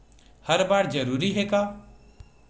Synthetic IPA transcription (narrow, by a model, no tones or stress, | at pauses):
həɾbaːɽd͡ʒəɾuːɾiɦeːkaː